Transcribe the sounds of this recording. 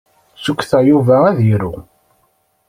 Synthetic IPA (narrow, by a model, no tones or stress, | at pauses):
sukʷːθæjuvææðjiɾʊ